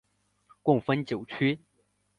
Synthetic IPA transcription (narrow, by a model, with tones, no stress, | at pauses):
kwʊ˥˩ŋfə˥nt͡ɕjo˨˩ʊt͡ɕʰy˥